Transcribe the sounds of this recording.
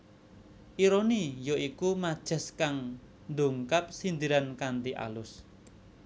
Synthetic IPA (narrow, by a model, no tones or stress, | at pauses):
ʔiɾonijoʔikumad̥ʒ̥ə̤skaŋ | nd̪uŋkap̚sind̪iɾankant̪iʔa̰lʊs